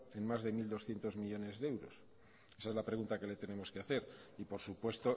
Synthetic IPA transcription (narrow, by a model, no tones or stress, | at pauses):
e̞nmazðe̞mild̪o̞sθje̞nt̪o̞zmiʎo̞ne̞zðe̞wɾo̰s | e̞saezlapɾeɣunt̪ake̞le̞t̪e̞ne̞mo̞skeaθe̞ɾipo̞ɾsupwe̞st̪o̞